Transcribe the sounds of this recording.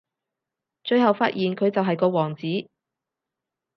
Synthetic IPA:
t͡ʃɵ˧ɥɦɐ˨wfaː˥t̚jiː˨nkʰɵ˨˧ɥt͡sɐ˨wɦɐ˨jkɔː˧wɔː˨˩ŋt͡siː˨˥

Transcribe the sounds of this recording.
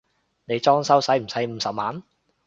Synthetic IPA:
ne˨˧jt͡sɔː˥ŋsɐ˥wsɐ˨˥jm̩˨˩sɐ˨˥jm̩˨˧˥sɐ˨p̚maː˨˥n

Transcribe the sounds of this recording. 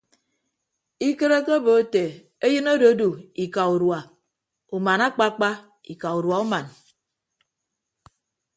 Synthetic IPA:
i˦ke˦ɾe˦ke˦bo˨o˦te˨ | e˦jɨ˦no˦do˨˦du˨i˨ka˨u˨ɾwa˨ | u˨ma˨na˦k͡pa˦k͡pa˦ | i˨ka˨u˨ɾwa˨u˦ma˨n

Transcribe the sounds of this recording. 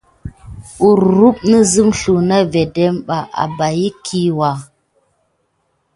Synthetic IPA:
u˨ɾɾu˦pnə˦zi˦mɬu˨na˦ve˨de˦mɓa˨ʔa̰˨ba˨ji˦kʰi˦wa˨

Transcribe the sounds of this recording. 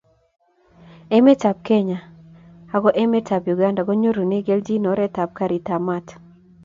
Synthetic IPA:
ɛ˦me˦ta˨p̚ke˦ɲa˨a˦ɡɔ˦ʔɛ˦me˦ta˨pju˨ɡa˦nda˨ɡɔ˦ɲo˦ɾu˨ne˦ɡe˦ld͡ʒi˦nɔ˨˦ɾɛ˦ta˨p̚ka˦ɾi˨ta˨ma˦˨t

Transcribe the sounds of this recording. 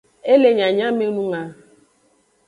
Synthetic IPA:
e˦le˨ɲa˨ɲa˦mi˦nu˦ŋa˦

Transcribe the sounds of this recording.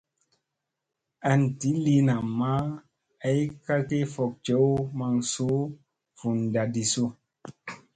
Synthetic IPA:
a˨n̩˨ti˦li˦na˨ma˦ | a˦i˦ka˦ke˦fɔ˨k̚t͡ʃe˨˦o˦ma˨ŋ˨so˨˦ | fu˨n˨da˨di˨so˦

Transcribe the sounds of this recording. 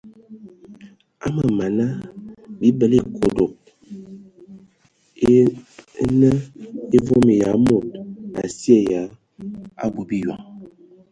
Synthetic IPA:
a̰˦ma˨ma˨na˦bi˦bə˨le˦kʰo˨do˨k̚ | nə˦e˦vo˦me˨ja˨˦mo˨t̚a̰˨si˦ɛ˦˨ja˨˦ | a̰˦bo˨bi˦jwa̰˨

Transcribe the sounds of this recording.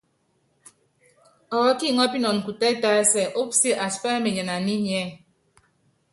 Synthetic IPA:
ɔ˨ɣɔ˦ki˦˨ŋɔ˦pi˦nɔ˨n̩˨ku˨tɛ˦ta˦e˦sɛ˨ʔo˦psi˦ʔa˨spɛ˦me˨ɲə˨na˨ni˦ɲ˨ɛ˦˨

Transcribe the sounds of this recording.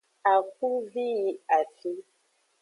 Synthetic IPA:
a˨k̚u˦vi˦ji˦a˨fi˨˦

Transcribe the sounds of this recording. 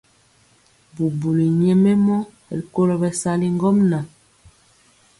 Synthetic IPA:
bu˨bu˨li˨ɲɛ˦me˦mɔ˦˨ | li˨ko˦lɔ˨bɛ˨sa˦li˦ŋɡɔ˦mna˨

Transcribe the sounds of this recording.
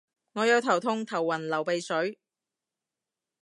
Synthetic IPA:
ŋɔː˨˧jɐ˨˧wt̪ʰɐ˨˩wt̪ʰʊ˧ŋt̪ʰɐ˨˩wːɐ˨˩nlɐ˨˩wpe˨˧jsɵ˨˥ɥ

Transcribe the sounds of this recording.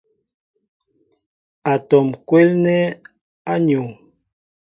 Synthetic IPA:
a˨tɔ˨mkwɛ˦lnɛ˦ | a˦ɲo˨ŋ

